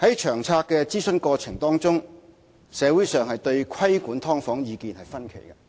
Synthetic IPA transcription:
hɐ˨˥jt͡ʃʰœː˨˩ŋt͡sʰaː˧kːɛ˧t͡siː˥sɵ˧nkɔː˧t͡sʰɪ˨˩ŋt̪ɔː˥ŋt͡sʊ˥ŋ | sɛː˨˧˥wuː˨˥jsœː˨ŋhɐ˨jt̪ɵ˧ɥkʷʰɐ˥jkuː˨˥nt̪ʰɔː˥ŋfɔː˨˥ŋjiː˨˧kiː˨nhɐ˨jfɐ˥nkʰḛ˨˩jkɐ˧

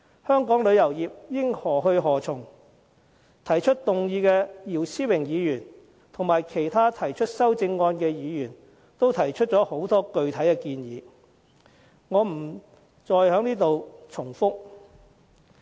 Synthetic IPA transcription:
hœː˥ŋkɔː˨˥ŋlɵ˨˧ɥjɐ˨˩wjiː˨p̚jɪ˥ŋhɔː˨˩ɦɵ˧ɦɔː˨˩t͡sʰʊ˨˩ŋ | t̪ʰɐ˨˩jt͡ʃʰɵ˥t̚t̪ʊ˨ŋjiː˧kɛ˧jiː˨˩wsiː˥wɪ˨˩ŋjiː˨˧jyː˨˩n | t̪ʰʊ˨˩ŋmaː˨jkʰe˨˩jt̪ʰaː˥t̪ʰɐ˨˩jt͡ʃʰɵ˥t̚sɐ˥wt͡sɪ˧ŋːɔː˧nkɛː˧jiː˨˧jyː˨˩n | t̪o˥wt̪ʰɐ˨˩jt͡ʃʰɵ˥t̚t͡sɔː˨˥ho˨˥wt̪ɔː˥kɵ˧ɥt̪ʰɐ˨˥jkɛː˧kiː˧njiː˨˧ | ŋɔː˨˧m̩˨˩ | t͡sɔː˨jhœː˨˥ŋniː˥t̪o˨wt͡sʰʊ˨˩ŋfʊ˥k̚

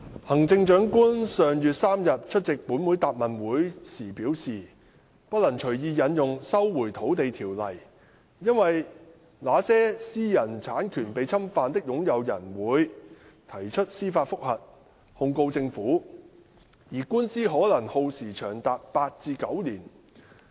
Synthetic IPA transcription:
hɐ˨˩ŋt͡sɪ˧ŋt͡ʃœː˨˥ŋkuː˥nsœː˨ŋjyː˨t̚saː˥mjɐ˨t̚t͡ʃʰɵ˥t̚t͡sɪ˨k̚puː˨˥nwu˨˥jt̪aː˨p̚mɐ˨˩nwuː˨˥jsiː˨˩piː˨˥wsiː˨ | pɐ˥t̚lɐ˨˩ŋt͡ʃʰɵ˨˩ɥjiː˧jɐ˨˥njʊ˨ŋsɐ˥wwuː˨˩jt̪ʰo˨˥wt̪e˨jt̪ʰiː˨˩wlɐ˨˩j | jɐ˥nwɐ˨j | laː˨˥sɛː˥siː˥jɐ˨˩nt͡sʰaː˨˥nkʰyː˨˩npe˨˧jt͡sʰɐ˥mfaː˨nt̪ɪ˥k̚jʊ˨˥ŋjɐ˨˧wjɐ˨˩nwuː˨˥j | t̪ʰɐ˨˩jt͡ʃʰɵ˥t̚siː˥faː˧t̚fʊ˥k̚hɐ˨t̚ | hʊ˧ŋko˧wt͡sɪ˧ŋfuː˨˥ | jiː˨˩kuː˥nsiː˥ɦɔː˨˥lɐ˨˩ŋho˧wsiː˨˩t͡ʃʰœː˨˩ŋt̪aː˨p̚paː˧t̚t͡siː˧kɐ˨˥wliː˨˩n

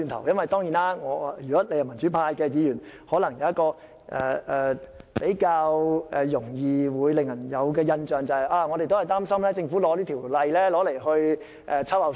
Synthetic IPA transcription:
y˧nt̪ʰɐ̰˨˩wjɐ˥nwɐ˨˩jt̪ɔː˥ŋjiː˨˩naː˥ŋɔː˨˧jyː˨˩kɔ˨˥le˨˧jɐ˨˩nmɐ˨˩nt͡ʃy˨˥pʰaː˧jkɛː˧jiː˨˧jyː˨˩nhɔː˨˥lɐ˨˩ŋjɐ˨˧wjɐ˥t̚kɔː˧ | ʔɛ̰ː˨˩ɛː˨˩pe˨˥jkaː˧wɛ˨jʊ˨˩ŋjiː˨wuː˨˧jlɪ˨ŋjɐ˨˩njɐ˨˧wk̬ɛː˧jɐ˧nt͡ʃœː˨ŋt͡sɐ˨hɐ˨jʔaː˧ŋɔː˨˧ɾe˨jt̪o˥whɐ˨jt̪aː˥msɐ˥mlɛː˥t͡sɪ˧ŋfuː˨˥lɔː˨˥liː˥t̪ʰiː˨˩wlɐ˨jlɛː˥lɔː˨˥le˨˩jhɵ˧ɥ | ʔɛ˨˧t͡sʰɐ˥wa˨˩

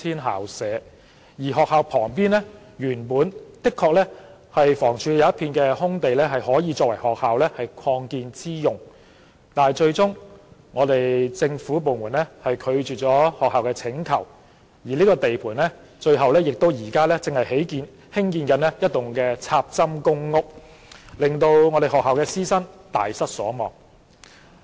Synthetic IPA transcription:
iː˥nɦa̰ː˨˩wsɛː˨˥ | jiː˨˩ɦɔː˨k̚haː˨˧wpʰɔː˨˩ŋpiː˥nlɛ˥ | jyː˨˩npuː˨˥nt̪ɪ˥kʰːɔː˧k̚lɛ˥ | hɐ˨jfɔː˨˩ŋt͡ʃʰyː˨jɐ˨wɐ˥t̚pʰiː˧nkɛː˧hʊ˥ŋt̪e˨jlɛː˥ɦɐ˨jhɔː˨˥jiː˨˧t͡ʃɔː˧k̚wɐ˨˩jhɔː˨k̚haː˨wlɛː˥hɐ˨jkʷʰɔː˧ŋkiː˧nt͡siː˥jʊ˨ŋ | t̪aː˨˩t͡ʃɵ˧ɥt͡sʊ˥ŋŋɔː˨˧t̪e˨jt͡sɪ˧ŋfuː˨˥p̬o˨wmuː˨˩nlɛ˥hɐ˨jkʰɵ˨˧ɥt͡ʃyː˨t̚t͡sɔː˨˥hɔː˨k̚haː˨wkɛː˧t͡sʰɪ˨˥ŋkʰɐ˨˩w | jiː˨˩liː˥kɔː˧t̪e˨jpʰuː˨˩nlɛ˥ | t͡ʃɵ˧ɥɦɐ˨wlɛː˥jɪ˨k̚t̪o˥wjiː˨˩kaː˥lɛː˥t͡sɪ˨ŋhɐ˨jɦe˨˥jkiː˨˧n | hɪ˥ŋkiː˧nkɐ˨˥nlɛː˥jɐ˥t̚t̪ʊ˨ŋkɛː˧t͡sʰaː˧p̚t͡sɐ˥mkʊ˥ŋːʊ˥k̚ | lɪ˨ŋt̪o˧wŋɔː˨˧ɾe˨˩ɦɔː˨k̚haː˨wkɛː˧siː˥sɐ˥nt̪aː˨˩jsɐ˥t̚sɔ̰ː˨˥mɔ̰ː˨˩ŋ

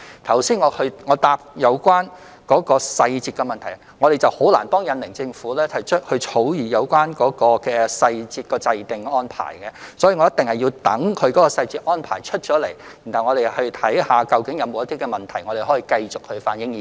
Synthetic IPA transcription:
t̪ʰɐ˨˩wsiː˥nŋɔː˨˧hɵ˧ŋɔː˨˧t̪aː˧p̚jɐ˨˧wkwaː˥n | kɔː˨˥kɔː˧sɐ˧jt͡siː˧t̚kɛ˧mɐ˨nt̪ʰɐ˨˩j | ŋɔː˨˧ɾe˨˩jt͡sɐ˨who˨˥wla̰ː˨˩nt̪ɔː˥ŋjɐ˨˧nlɪ˨˩ŋt͡sɪ˧ŋfuː˨˥lɛː˥hɐ˨˩jt͡ʃʰɵ˥t̚hɵ˧t͡ʃʰo˨˥wjiː˨˩jɐ˨˧wkwaː˥nkɔː˨˥kɔː˧kɛː˧sɐ˧jt͡siː˧t̚kɔː˧t͡sɐ˧jt̪ɪ˨ŋɔː˥npʰa̰ː˨˩jkɛ˧sɔː˨˥jiː˨˧ŋɔ˨˦jɐ˥t̪ɪ˨ŋhɐ˨jiː˧wt̪ɐ˨˥ŋkʰɵ˨˧ɥkɔ˨˥kɔː˧sɐ˧jt͡siː˧t̚ʔɔː˥npʰa̰ː˨˩jt͡ʃʰɵ˥t̚t͡ʃɔː˨˥le˨˩ji˨˩nhɐ˨˩wŋɔ˨˧ɾe˨jhɵ˧ɥt̪ʰɐ˨˥jhaː˨kɐ˧wkɪ˨˥ŋjɐ˨˧wmo˨˧wjɐ˥t̪iː˥kɛ˧mɐ˨nt̪ʰɐ˨˩jŋɔː˨˧ɾe˨˩hoɔ˨˥jiː˨˧kɐ˧jt͡sʊ˨k̚hɵ˨˧ɥfa̰ː˧njɪ˧˥ŋi˨

